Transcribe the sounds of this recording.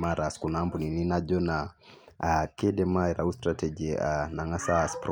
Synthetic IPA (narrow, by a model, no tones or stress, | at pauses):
maɾaskunambunininad͡ʒɔna | kɛdɛmaɛɾaustɾatɛd͡ʒianaŋasaspɾ